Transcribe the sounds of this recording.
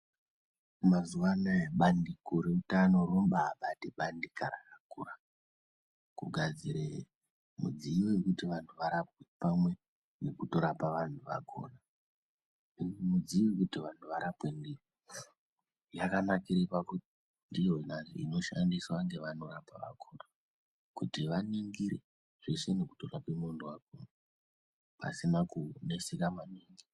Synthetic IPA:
mazuʋanaeɓandikoɾeutano̞romɓaːɓatiɓandikaɾa̰kakura | kuɡʱad͡ziɾe | mṵd͡ziʋiekutiʋantʰuʋaɾap̚we̞pamwe̞ | nekuto̞ɾapaʋantʰuʋa̰ɡʰʱo̰ːna | mud͡ziʋikutiʋantʰuʋaɾapwe̞ndi | jakanakiɾepakuti | ndijonaniḭno̞ʃandiswaŋɡe̞ʋano̞ɾapaʋa̰kʰoːna | kutiʋaniŋɡiɾe | ʐ̥eseneku̥to̞rapwemondowako̰ːna | pa̰sinakune̞sikamaniːŋɡi

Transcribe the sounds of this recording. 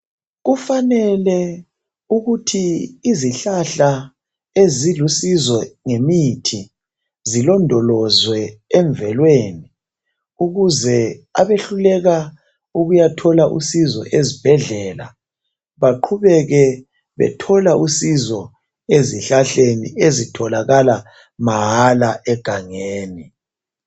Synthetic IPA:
ɣufanɛlɛ | uɣutʰiːziɬaɬa | ezilusizɔŋemitʰi | zilɔndʱɔlɔzwɛːɱvɛlweːni | uɣuzɛa̰βeɬulɛɣa | uɣujatʰɔlaʔṵsizɔ̰ʔezib̥ʱɛɮɛla̰ | βaǃʰuβɛɣɛ | βɛ̰tʰɔlausizɔ | eziɬaɬenḭezitʰɔlaɣala | maɦalaʔɛɡ̥ʱaŋeːni

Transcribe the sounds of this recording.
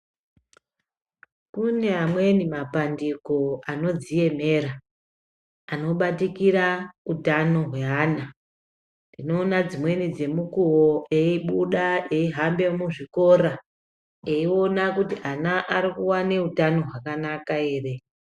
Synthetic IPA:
kune̞amwe̞nimapandiko̞ano̞d͡zije̞me̞ɾa | no̞ɓatikiɾautano̞ɦwe̞ɦaːna | ndino̞ːnad͡zimwe̞nid͡ze̞mukuwoeiɓuɗae̞iɦambe̞muʐiko̞ɾa | eio̞nakutianaʔaɾikuwane̞utano̞ɦwakanakae̞ːre̞

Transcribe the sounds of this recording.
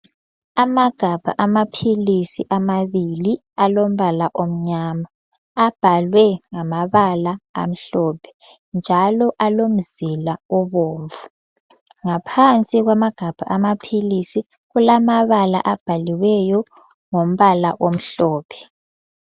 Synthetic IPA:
amaɡ̥ʱab̥ʱaʔamapʰilisiʔamaβili | alom̩βalaʔom̩ɲaːmaː | b̥ʱalwɛŋamaβalaa̰m̩ɬɔːpʰɛ̥ | nd͡ʒʱalɔʔalom̩zilaɔβoːɱvu | ŋapʰant͡sʼiɣwamaɡ̥ʱab̥ʱa̰ʔamapʰilisi | ɣulamaβala̰ʔab̥ʱaliwɛjɔ | ŋom̩βalaʔom̩ɬɔːpʰɛ̥

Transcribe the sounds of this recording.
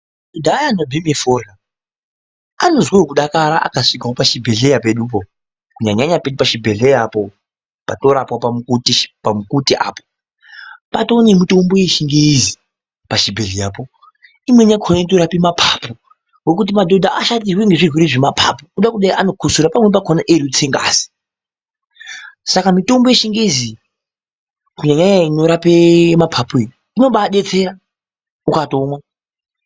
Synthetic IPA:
adodʱajanobʱimefora | ano̞zweokuɗakaɾaʔa̰kaʂikawopaʃibʱe̞ɮe̞jape̞ɗup̬o | kuɲaɲaɲape̞ɗupaʃibʱe̞ɮejapo | pato̞ɾapwapamukutipamukutiʔa̰ːpo̥ | patoːnemutomboeʃiŋɡeizi | paʃibʱeɮijaːpo̞ | imwe̞ɲakʰonaitoɾapimapʰapo | wek̬ut̬imado̞dʱaʔaʃat̬iweŋɡeʐirwiɾeʐemapʰa̰pokuɗakuɗaiʔano̞kʰusuɾapamwep̬akʰonaʔeɾiut͡seŋɡa̰zi̥ | sakamito̞mbo̞jeʃiŋɡeizi | kuɲaɲajaino̞ɾapemapʰapue | ino̞ɓaɗe̞t͡se̞ɾa | ukatomwa

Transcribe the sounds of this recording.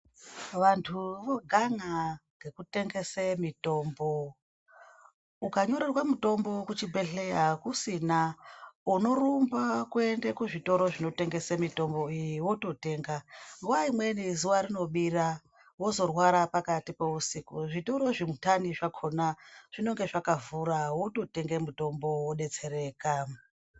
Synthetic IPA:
ʋantʰuʋo̞ɡʱaŋaɡe̞kute̞ŋɡe̞semito̞ːmbo | ukaɲo̞ɾerwamuto̞mbo̞kut͡ʃibʱe̞ɬejakusinauno̞ɾumbakuendekuʐito̞ɾo̞ʐino̞te̞ŋɡe̞semito̞mbo̞ijiwoto̞te̞ːŋɡaŋɡuʋaimwe̞nizuwaɾino̞ɓira | wo̞zo̞rwaɾapakatipeusikuʐito̞ɾo̞ʐimutaniʐakʰonaʐ̥ino̞ŋɡe̞ʐakavuɾawoto̞te̞ŋɡemuto̞mbo̞woɗe̞t͡se̞ɾe̞ːka

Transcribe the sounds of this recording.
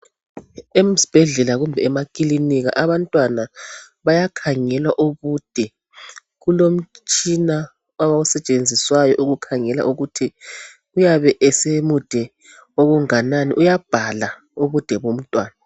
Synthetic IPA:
em̩zi̥b̥ʱɛɮɛlaɣumbʱɛːmakʼiliniɣa̰ʔaβantʼwana | βajakʰaŋɛlwaʔuβud̥ʱɛ | ɣulom̩t͡ʃt͡ʃʼina | waβausɛt͡ʃʼend͡zʱiswajɔʔuɣukʰaŋɛla̰ʔuɣutʰi | ujaβɛʔɛsemud̥ʱɛ | oɣuŋananḭʔujab̥ʱala | uβud̥ʱɛβom̩tʼwaːna

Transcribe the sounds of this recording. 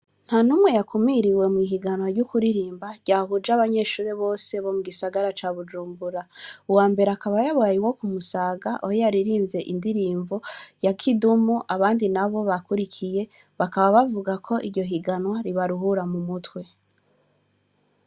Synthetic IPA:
n̥hanumwe̞jakumiɾiwe̞mwiːɦiɡanwaɾɟukuɾiɾiːmbaɟ̥aːhud͡ʒaβaɲe̞ːʃuːɾeβo̞ːse̞βo̞muɡisaɡaɾat͡ʃaːβud͡ʒuːmbuɾauwaːmbe̞ɾeakaβajaβaːjiwo̞kumusaːɡaʔojojaɾiɾiːmvze̞ʔindiɾiːɱvojakʰidumuʔaβaːndinaβo̞βakuɾikʰije̞ | βakaβaβavuɡakʰo̞ʔiɾɟo̞ɦiɡanwaɾiβaɾuɦuɾamumutwe̞

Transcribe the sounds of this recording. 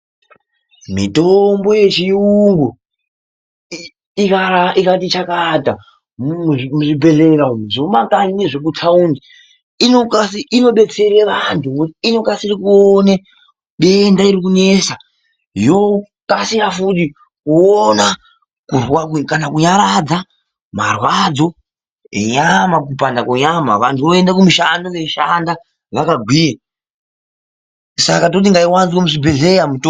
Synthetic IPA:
mḭtombo̞je̞t͡ʃiuŋɡu | ikaaikatit͡ʃakadʱa | muʐibʱe̞ɮe̞kaʐomakanineʐek̬utʰaundi | inokasiino̞ɓe̞t͡se̞ɾeʋantʰukutiino̞kasirikuone | ɓe̞ndaiɾikune̞sa | jo | kasiɾafuti | kuona | kurwakkanakuɲaɾad͡za | ma̰rwad͡zo̞ | ḛɲamak̬upandakoɲama̰ʋantʰuʋoe̞ndakumuʃandoʋe̞ʃanda | ʋakaɡʱwiːje | sakat̬ot̬iŋɡaiwanzikomuʐibʱeɮejamuto

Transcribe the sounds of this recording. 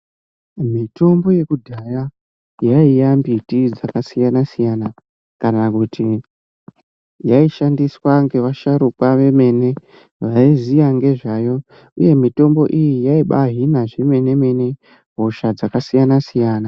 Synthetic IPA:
mito̞mbo̞je̞kudʱaja | jaijambitid͡zakasijanasijana | kanakutʰi | jaiʃandiswaŋɡe̞ʋaʃaɾukwaʋe̞me̞ne̞ | ʋaizijaŋɡe̞ʐajo̞ | uje̞mito̞mbo̞̰ʔijijaiɓaɦinaʐeme̞ne̞me̞ne̞ | ɦoʃad͡zakasijanasijaːna

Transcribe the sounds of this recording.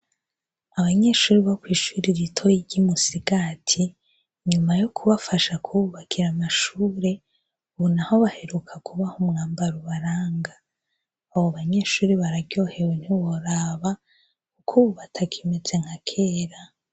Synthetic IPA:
aβaɲe̞ːʃuːɾiβokwiːʃuːɾiɾitʰo̞jiɟimusiɡatʰi | ɲumajokʰuβafaʃakʰuuβakʰiɾamaʃuːɾe̞ | βunaho̞βahe̞ɾukʰakʰuβahumŋaːmbaɾuβaɾaːŋɡaː | βoβaɲe̞ːʃuːɾiβaɾaɟo̞ːhe̞wen̥hiwoɾaβa | kukʰuβuβatʰakʰimez̥e̞ŋ̥hakʰeːɾa

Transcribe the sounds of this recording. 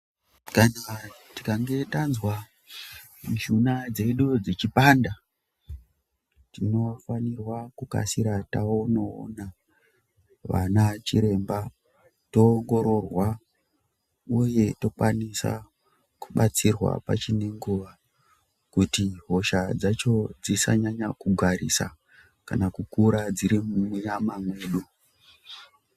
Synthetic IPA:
kanatikaŋɡe̞tanzwa | d͡ʒunad͡ze̞ɗud͡zet͡ʃipanda | tino̞fanirwakuka̰siɾataono̰ːna | ʋa̰nat͡ʃiɾe̞mba | to̞ːŋɡo̞ɾo̞rwa | uje̞to̞kwanisa̰ | kuɓat͡sirwa̰pa̰t͡ʃine̞ŋɡuʋa | kutiɦo̞ʃad͡zat͡ʃo̞d͡zisaɲaɲakuɡʱaɾḭsa̰ | kanakukuɾad͡ziɾimumujamamweːɗu

